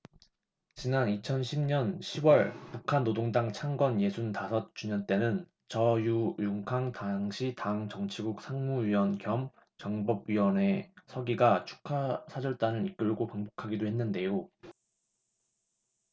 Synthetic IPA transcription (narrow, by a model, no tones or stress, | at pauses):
t͡ɕinanit͡ɕʰʌnɕʰimɲʌnɕʰiwʌɭpukʰanːodoŋdaŋt͡ɕʰaŋɡwʌnje̞sʰuntasʰʌt̚t͡ɕ͈uɲʌnt͈e̞nɯn | t͡ɕʌjujuŋkʰaŋtaŋɕʰitaŋt͡ɕʌŋt͡ɕʰiɡuk̚sʰaŋmuɥiwʌnkjʌm | t͡ɕʌŋbʌb̚ɥiwʌne̞sʰʌɡiɡat͡ɕʰu̥kʰasʰad͡ʑʌɭt͈anɯnik͈ɯɭɡopaŋbokʰaɡidohe̞nːɯnde̞jo